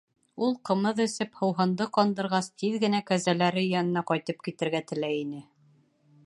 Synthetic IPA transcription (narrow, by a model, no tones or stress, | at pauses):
ulˠqɤ̆mɤðɵ̆sɘphɤ̆wɦɤ̆nd̪ɤqɒnd̪ɤ̆ɾʁɑst̪iðɡɘ̆nækæzælæɾɘjɒnɤ̆nɑqɒjt̪ɤp̚kit̪ɘ̆ɾɡæt̪ɘ̆læjinɘ